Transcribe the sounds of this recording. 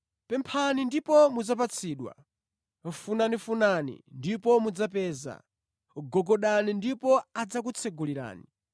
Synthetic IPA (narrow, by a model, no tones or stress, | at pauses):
pɛmpʰanindipɔmud͡zap̬at͡sʰiːɗwa̰ | funanifunanḭndipɔmud͡zapɛːza̰ | ɡɔɡɔɗanindipɔad͡zak̬ut͡sʰɛɡuliɾa̰ːni